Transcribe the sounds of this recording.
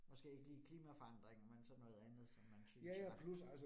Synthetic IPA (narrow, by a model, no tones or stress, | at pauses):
mɒ̽sɡ̥e̝̰ːe̝ɡ̥əliːkʰliːmæfɒ̽ɑ̈n̰d̥ʁeŋmensɒ̽nɔ̽ːð̞ˠænð̩ˠsɒ̽mːænsøæjæpʰlusælsə